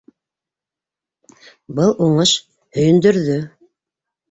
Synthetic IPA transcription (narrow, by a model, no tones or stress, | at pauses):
bɤlˠʔuɴɤʃ | hɵ̆jɵ̆nd̪ɵ̆ɾðɵ